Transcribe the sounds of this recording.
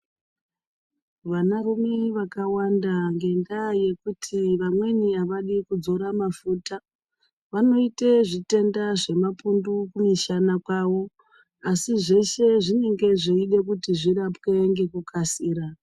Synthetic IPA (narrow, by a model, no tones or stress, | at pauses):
ʋanarumeʋakawandaŋɡe̞ndaje̞kutʰiʋamwe̞niaʋaɗikud͡zo̞ɾamafuta | ʋano̞iteʐite̞ndaʐe̞mapundukumiʃanakwaːʋo̞ | asiʐe̞ʃe̞ʐine̞ŋɡe̞ʐeiɗe̞k̬utiʐirapwe̞ŋɡe̞kukasiːɾa